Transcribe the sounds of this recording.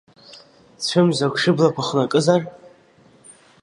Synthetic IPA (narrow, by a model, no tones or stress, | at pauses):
t͡ɕʷʰamzakʷʂɨblakʷaχnakʼɨzar